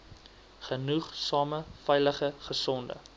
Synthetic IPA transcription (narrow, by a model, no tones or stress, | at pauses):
χənuχsɑːməfɛjləχəχəsɔndə̰